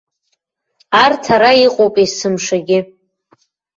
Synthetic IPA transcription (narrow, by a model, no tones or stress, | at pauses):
artʰaɾaiqʼowpʼisɨmʂaɡʲɪ